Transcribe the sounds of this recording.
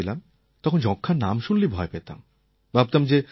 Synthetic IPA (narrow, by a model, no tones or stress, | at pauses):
elam | t̪ɔkʰond͡ʑɔkʰːanamʃunlibʱɔepet̪a̰m | bʱab̚t̪amd͡ʑe